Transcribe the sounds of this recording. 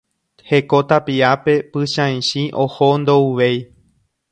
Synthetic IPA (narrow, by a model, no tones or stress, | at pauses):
he̞ko̞t̪apiape̞pɨʃãj̃ʃĩʔohond̪ouʋej